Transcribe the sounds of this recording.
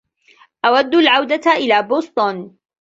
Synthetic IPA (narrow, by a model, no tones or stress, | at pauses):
ʔawad̪ːʊlʕawd̪aʔɪlaːboːsˤt̪ˤun